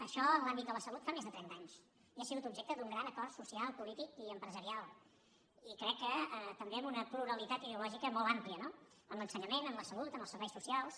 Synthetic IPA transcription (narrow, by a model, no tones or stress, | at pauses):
əʃɔənlambit̪̚d̪ələsəlut̪famezðət̪ɾɛnt̪aɲs | iasiɣut̪ub̚ʒekt̪əd̪uŋɡɾanəkɔrt̪susialˠpulit̪ikiəmpɾəzəɾialˠ | ikɾɛkːəət̪əmbeɛmunəpluɾəlit̪at̪iðiulɔʒikəmɔlˠampliəno | əmlənsəɲəmenəmləsəlut̪əmbəlˠsəɾβɛjsusialˠs